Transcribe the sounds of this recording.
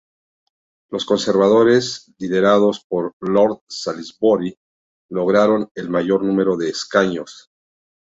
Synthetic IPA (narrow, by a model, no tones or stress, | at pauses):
lo̞sko̞nse̞ɾβað̞o̞ɾe̞sliðe̞ɾaðo̞spo̞ɾlo̞ɾðsalizboɾi | lo̞ɣ̞ɾaɾo̞ne̞lmaʝo̞ɾnũme̞ɾo̞ðe̞ːskaɲo̞s